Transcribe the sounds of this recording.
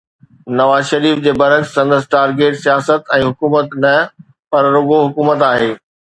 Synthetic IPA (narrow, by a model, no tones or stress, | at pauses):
nɐʋaːzʃɐɾiːfd͡ʑeːbɐɾəksɐ̃nd̪əsʈaːɾɡeːʈsijaːsət̪ɛ̃ːɦʊkuːmət̪nɐ | pɐɾɾʊɡoɦʊkuːmət̪aːɦeː